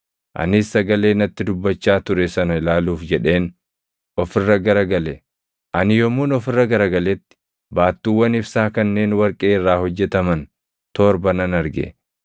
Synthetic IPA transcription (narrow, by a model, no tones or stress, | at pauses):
ʔɐ̰nɪsːɐɡɐle̞ːnɐt̪ːɪd̪ʊbːɐt͡ʃːaːt̪ʊɾɛsɐnɐɪlaːluːfd͡ʒɛᶑe̞ːn | ʔɔfɪrːɐɡɐɾɐɡɐlɛ | ʔɐnɪjɔmːuːnɔfɪrːɐɡɐɾɐɡɐlɛt̪ːɪ̥ | baːt̪ːuːwːɐnɪfsaːkɐnːe̞ːnwɐɾkʼeːɪrːaːhɔd͡ʒːɛt̪ɐmɐn | t̪oːɾbɐnɐnɐɾɡɛ̰